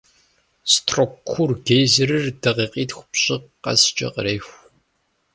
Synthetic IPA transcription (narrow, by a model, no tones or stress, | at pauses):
stʰrokʷʰːʊrɡeːzɨɾɨrdɐʁiːqiːtxʷʊ̥pɕʼɪqqɐ̰st͡ʃʼɐ̰qəɾeːxʷ